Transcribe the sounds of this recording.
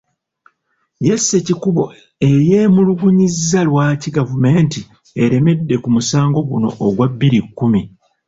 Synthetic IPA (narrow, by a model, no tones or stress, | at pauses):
je̞sːecikuβo̞ | e̞jeːmuluɡuɲizːalwaːciɡavume̞ːnti | e̞ɾe̞me̞dːe̞kumusaːŋɡo̞ɡuno̞̰ʔːɡwabːiɾikːumi